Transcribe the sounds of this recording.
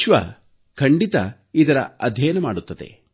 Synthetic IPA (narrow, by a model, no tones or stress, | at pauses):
ʃʋɐ̰ | kʰɐɳɖit̪ɐ | id̪ɐɾɐ̰ɐd̪ʱjɛːjɐnɐmaːɽut̪ːɐd̪ḛ